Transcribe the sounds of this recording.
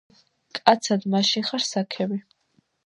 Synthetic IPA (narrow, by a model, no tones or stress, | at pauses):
kʼat̪sʰad̪maʃinχaɾsakʰɛbi